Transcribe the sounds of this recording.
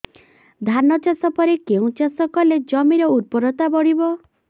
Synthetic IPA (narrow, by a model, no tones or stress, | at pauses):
d̪ʱanɔt͡ʃasɔpɔɾekeũt͡ʃasɔkɔled͡ʒɔmiɾɔuɾ̚pɔɾɔt̪abɔɽibɔ